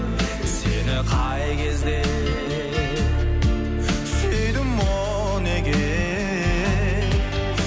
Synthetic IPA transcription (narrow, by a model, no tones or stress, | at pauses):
senɪqʰɑjkʲʰe̞zd̪e | sejd̪ɪmːo | nekʲe